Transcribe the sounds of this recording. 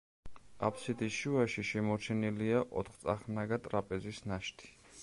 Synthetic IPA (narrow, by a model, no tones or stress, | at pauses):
a̰pʰsid̪isʃuaʃiʃɛmɔɾt͡ʃʰɛniliaʔɔ̰t̪ʰχt̪sʼaχnaɡat̪ʼɾapʼɛzisnaʃt̪ʰi̥